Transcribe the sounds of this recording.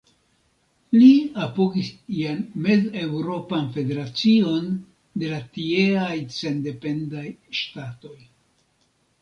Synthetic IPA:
liapo̞ɡisianme̞zewɾo̞panfe̞de̞ɾat͡sio̞n | de̞latie̞ajse̞nde̞pe̞ndajʃtato̞j

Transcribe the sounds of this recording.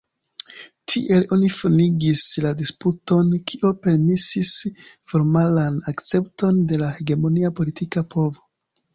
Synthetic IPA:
tʰḭʔe̞lo̞nifoniɡisladisputo̞nkiʔope̞ɾmisisfo̞ɾmalanakt͡se̞pto̞nde̞lahe̞ɡe̞mo̞niapo̞litikapo̞vo̞

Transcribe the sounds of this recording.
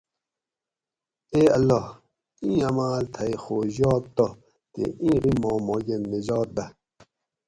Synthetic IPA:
eːɐlːo | ĩːɐmaːlt̪ʰɐjxoːʑɔːk̚t̪o | t̪ḛĩːʁimõːmoːɡenːed͡ʑɔːt̪̚d̪ɐ

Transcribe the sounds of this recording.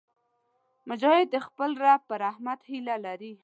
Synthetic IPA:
mʊd͡ʒɑhɪd̪ːəxpəlɾapəɾahmat̪hilalaɾi

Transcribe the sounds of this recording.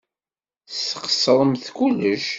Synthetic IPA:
θsə̥qə̥sɾˤəmθkuləʃ

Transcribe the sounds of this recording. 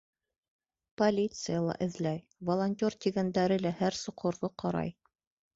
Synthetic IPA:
polʲit̪sɨjalˠɑ̰ʔɘ̆ðlæj | volˠonʲtʲort̪ʲiɡænd̪æɾɘlæhæɾsŏqŏɾðoqɑɾɑ̰j

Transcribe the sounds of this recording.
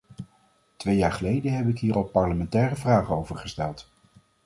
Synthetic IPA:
tʋejaːɹχəlejdəɦɛpɪkɦiːɹɑlˠpɑɹləmɛntɛːrəvraːχəowvəɹχəstɛlˠt

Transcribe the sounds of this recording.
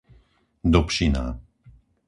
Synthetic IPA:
d̪ɔpʃina̰ː

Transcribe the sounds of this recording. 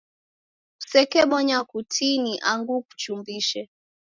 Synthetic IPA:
ku̥sɛkɛɓɔɲakutʰiniʔaŋɡuku̥t͡ʃumbiʃɛ

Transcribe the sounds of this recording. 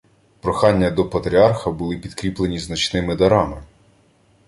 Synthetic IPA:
pɾɔxɑnʲːɐd̪ɔpɐt̪ɾʲiɑrxɐbʊlˠɪpʲid̪kɾʲiplˠe̞nʲiznɐt͡ʃnɪmɪd̪ɐɾɑmɪ

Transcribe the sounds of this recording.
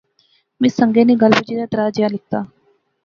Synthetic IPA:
mẽːsəŋɡeːneːɡəlbud͡ʒiːd̪aːʈɾaːd͡ʒɪjaːlɪk̚t̪aː

